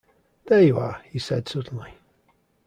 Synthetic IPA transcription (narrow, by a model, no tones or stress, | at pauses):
ðejuəhisɛd̥sʌdⁿn̩li